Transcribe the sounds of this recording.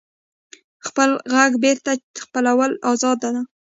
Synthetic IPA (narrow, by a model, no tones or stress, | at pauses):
xpəlɣaɡbeɾt̪aəxpəlawəlɑzɑd̪ana